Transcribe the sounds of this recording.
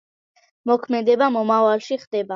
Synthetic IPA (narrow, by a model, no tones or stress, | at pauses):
mɔkʰmɛd̪ɛbamɔmavalˠʃiχd̪ɛba